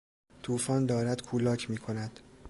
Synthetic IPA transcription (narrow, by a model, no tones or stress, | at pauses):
t̪ʰuːfɒːnd̪ɒːɾæd̪kʰuːlɒːcʰmiːkʰonæd̪̥